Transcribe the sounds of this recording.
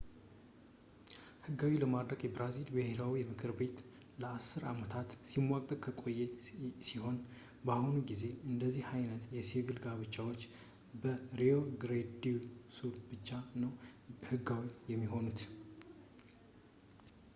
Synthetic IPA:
hɨɡawiləmad̪ɾəɡjɛbɾazilbəhe̞ɾawiɛmɨkʰɨɾbe̞t̪ | ləasːɨɾamət̪ʰat̪simːakʼə̥kʰəkʼo̞jːɛsiho̞n | bahunuɡize̞ɨnd̪əzːihhajnət̪jɛsivilɡaβɨt͡ʃʼːawot͡ʃː | bəɾio̞ɡɾed̪isuɾt̪bɨt͡ʃːanəwhɨɡːawijɛmːiɦo̞nut̪

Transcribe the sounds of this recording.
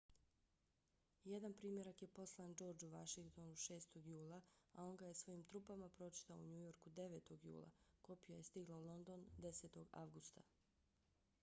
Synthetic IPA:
jed̪anpɾiːmje̞ɾakje̞po̞slˠand͡ʒo̞ːɾd͡ʒuʋaʃiŋkt̪o̞nuʃe̞ːst̪o̞ɡjuːlˠaao̞ŋɡaje̞sʋo̞iːmt̪ɾupamapɾo̞t͡ʃi̥t̪aouɲujo̞ɾkud̪e̞ʋeːt̪o̞ɡjṵːlˠa̰ko̞pijaje̞st̪iɡlˠaulˠo̞nd̪o̞nd̪e̞seːt̪o̞ɡa̰ʋɡust̪a

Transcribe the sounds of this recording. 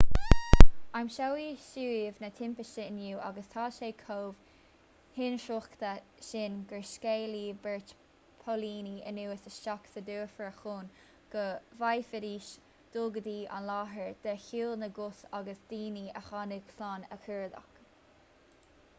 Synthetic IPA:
amʃawiʃuːvnət̪ʰɪmpəʃəənuːʔa̰ɡəst̪ʰɑːʃeːkʰoːv̥ | hɪnʃoxkt̪əʃɪnɡəɹskeːliːbɛɹt | pʰoliːniə̰nuːəsəʃaksəd̪uːfəɹəxoːn | ɡ̥əvajfɪɾiːʃ | d̪̥ʊːɡəd̪iːʔa̰nlaːɦəɹd̪̥ɛçuːlnəɡʊsaɡəsd̪iːniə̰xanəɡslaːnəkʰəɹd̪a̰k

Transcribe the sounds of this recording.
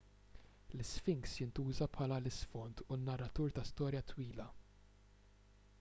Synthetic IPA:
lɪsfɪŋksjɪnt̪uːzɐpħɐːlɐlɪsfɔnt̪unːɐrːɐt̪uːɾt̪ɐst̪ɔːɾjɐt̪wiːlɐ

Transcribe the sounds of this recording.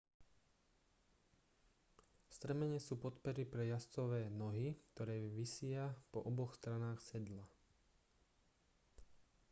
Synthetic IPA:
st̪ɾɛmɛɲɛsuːpɔt̪pɛɾipɾɛjast͡sɔʋɛːnɔɦik̚t̪ɔɾɛːʋisɪapɔʔɔbɔxst̪ɾanaːxsɛd̪la

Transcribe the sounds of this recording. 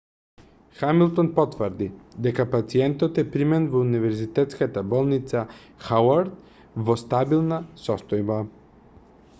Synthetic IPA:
xamilˠt̪ɔnpɔt̪vəɾd̪id̪ɛkapat̪siɛnt̪ɔt̪ɛpɾimɛnvɔunivɛɾzit̪ɛt̪skat̪abɔlˠnit̪sa | xawaɾd̪̚ | vɔst̪abilˠnasɔst̪ɔjba

